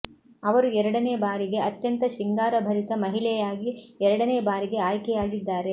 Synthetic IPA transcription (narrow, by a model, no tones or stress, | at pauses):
ɐʋɐɾuɛɾɐɽɐneːbaːɾiɡe̞ɐt̪jɐnt̪ɐʃiŋɡaːɾɐbʱɐɾit̪ɐmɐɦilɛjaːɡiɛɾɐɽɐneːbaːɾiɡe̞aːjkɛjaːɡid̪ːaːɾe̞